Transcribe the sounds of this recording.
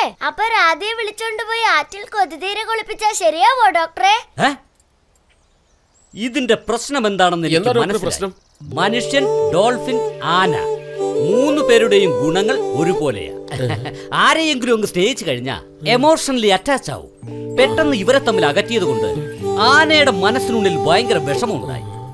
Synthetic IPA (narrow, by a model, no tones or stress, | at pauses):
ɐpːoːɾaːd̪ijeʋiɭit͡ɕːkoɳɖɨpoːjiaːtːilkɨod̪iðiːɾɐko̞ɭipːit͡ɕːɐɕɐɾijaːʋoːɖoːk̚ʈɐreːe | iðinde̞prɐɕnɐme̞nd̪aːɳenːeik̪ːmɐnɐsjnɐ | mɐnuʂjɐnɖo̞ːlfinaːnɐ̰muːnːɨpe̞ːɾuɽe̞jumɡuɳɐŋːɐɭo̞ɾupo̞ːlḛj̰ | aːɾejeŋɡuɾuʋɐŋɡɨsne̞ːhit͡ɕːɨkɐɻiɲːa̰ | e̞mo̞ːʂɐnɐliɐtːaːt͡ɕːa̰ːʋṵmpe̞ʈːenːɨiʋɐɾe̞t̪ːɐmːilɐɣɐt̪ːijɐðuɣo̞ɳɖɨ̰aːnɐjuɽemːɐnɐsːinuɭːilbʱɐjɐŋɡɐɾɐʋe̞ʂɐmuɳɭːṵða̰ːjḭ